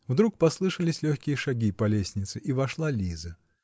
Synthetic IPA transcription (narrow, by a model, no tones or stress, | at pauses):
vd̪ɾuk̚pɐslˠɨʂəlʲɪsʲlʲoxʲkʲɪjəʂɐɡʲipɐlʲesʲnʲɪt̪sɨʔivɐʂlˠalʲizə